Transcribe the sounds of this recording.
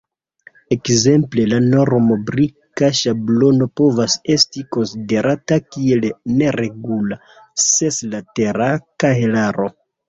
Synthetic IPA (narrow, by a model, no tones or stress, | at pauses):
e̞kze̞mplelano̞ɾmobɾikaʃablo̞no̞po̞vase̞stiko̞nside̞ɾatakie̞lne̞ɾe̞ɡula | se̞slateɾakaelaɾo̞